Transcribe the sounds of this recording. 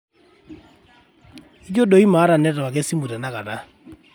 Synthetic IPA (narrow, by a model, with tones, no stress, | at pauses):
i˦d͡ʒo˦do˨˦i˦maː˨˦ɾa˨nɛ˦ɾɔ˨a˨ɣɛ˦si˦mu˨ɾa˨na˦ɣa˨ɾa˦